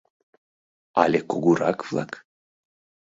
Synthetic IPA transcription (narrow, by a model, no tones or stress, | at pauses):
a̰lʲekuɡuɾɑkvlˠɑ̰k